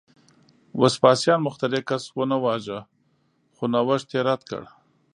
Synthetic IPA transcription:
waspɑsjɑnmʊxt̪aɾekaswənawɑʒə | xonawəʃt̪eɾat̪kə̰ɽ

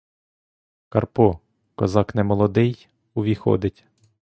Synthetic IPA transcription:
kɐrpɔ | kɔzɑknɛmɔlˠɔd̪ɪj | ʊʋʲixɔ̰d̪ɪtʲ

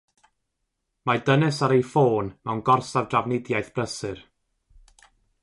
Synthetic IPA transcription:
madənɛsaɾejfoːnmɛwnɡɔrsavdravnɪdjajθb̥rəsɨr

